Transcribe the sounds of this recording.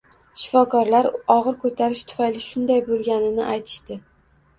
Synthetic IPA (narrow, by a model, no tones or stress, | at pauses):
ʃɪ̥fɒkʰɒɾlaɾɒʁɨɾkʰɵt̪ʰaɾɪʃt̪ʰʊ̥fajlɪʃʊnd̪ajbolˠɡʲanɪnɪ̰ʔajt̪ʰɪ̥ʃt̪ɪ